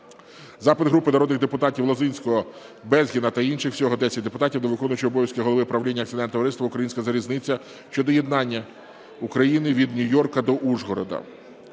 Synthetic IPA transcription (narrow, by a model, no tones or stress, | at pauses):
zɑpɪd̪ɦɾupɪnɐɾɔd̪nɪɣd̪epʊt̪ɑtʲiwlˠɔzɪnʲsʲkɔɦɔ | bɛzʲɦʲinɐt̪ɐinʃɪxwsʲɔɦɔd̪ɛsʲɐt̚ʲd̪epʊt̪ɑtʲiwd̪ɔʋɪkɔnʊjt͡ʃʲɪɔbɔʋjɐskɪɦɔlˠɔʋɪpɾɐʋlʲinʲːɐk̪t̪ɪd̪ɛnt̪ɔʋɾɪst̪ʋɐukɾɐjinʲsʲkɐzɐɾʲiznɪt͡sʲːɐ | ʃt͡ʃɔd̪ɔje̞d̪nɑnʲːɐ | ukɾɐjinɪʋʲid̪nʲʊjɔrkɐd̪ɔʔuʒɦɔɾɔ̰d̪ɐ̰